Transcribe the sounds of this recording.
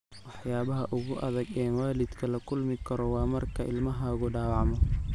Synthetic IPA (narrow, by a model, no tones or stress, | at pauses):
wɑħjaːβɐɦɐʔʊɣʊʔɐðɐɡɛːnwaːlɪd̪kʰɐlɐkʰʊlmɪkʰɐɾɔwɑːmɐrkʰɐɪ̰lmɐɦaːɣʊɖaːwɑʕmɔ